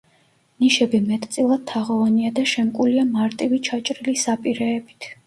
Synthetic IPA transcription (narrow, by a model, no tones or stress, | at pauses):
niʃɛbimɛt̪ʼt̪sʼilˠad̪̚t̪ʰːaʁɔvaniad̪aʃɛmkʼuliamaɾt̪ʼivit͡ʃʰat͡ʃʼɾilisapʼiɾɛːbi̥t̪ʰ